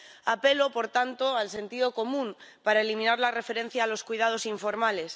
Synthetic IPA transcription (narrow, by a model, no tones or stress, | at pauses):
ape̞lopo̞ɾt̪ant̪oalse̞nt̪ið̞o̞ko̞mũmpaɾaelimĩnaɾlare̞fe̞ɾe̞n̟θjaːlo̞skujðað̞o̞siɱfo̞ɾmales